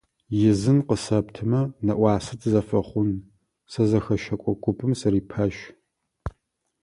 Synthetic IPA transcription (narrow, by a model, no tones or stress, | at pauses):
jɪzɨnqəsɐptʰɨmɐnɐʔʷɑːsɐtʰzɐfɐχʷʊn | sɐzɐxɐʃɐkʷʼɔkʷʼʊpʼɨmsɐɾiːpʰɐʃ